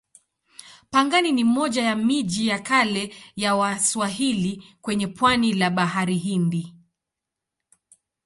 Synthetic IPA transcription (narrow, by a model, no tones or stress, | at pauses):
paŋɡaninimɔʄajamiʄijakalɛjawaswaɦilikwɛɲɛpwanilaɓaɦaɾiɦindi